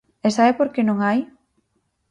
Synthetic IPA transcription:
esaɛpoɾkenõŋaj

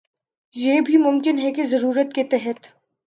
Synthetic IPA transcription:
jeːbʱimʊmkɪnɦɛkezɐɾuːɾət̪̚ket̪ɛɦət̪

